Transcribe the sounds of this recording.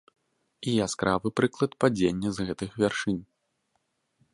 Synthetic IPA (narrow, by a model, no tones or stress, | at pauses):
iaskɾʔavɨpɾɨklˠɐt̪pad͡zʲenʲːɛzɣɛt̪ɨxvʲarʂɨnʲ